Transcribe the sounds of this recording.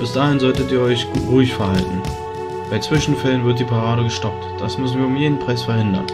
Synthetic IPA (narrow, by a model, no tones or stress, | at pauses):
b̥ɪsd̥aːhɪnzɔltətiːɐɔʏçʁuːɪçfɛɐhaltn̩ | b̥aɪt͡sv̥ɪʃn̩fɛlənvɪɐt̚d̥iːpʰaʁaːɾəɡəʃtɔp̚td̥asmʏsn̩viːɐʊmjeːdn̩pʁ̥aɪsfɛɐhɪndɐ̰n